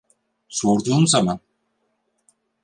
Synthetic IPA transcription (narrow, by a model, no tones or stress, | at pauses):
so̞ɾd̪uːmzaman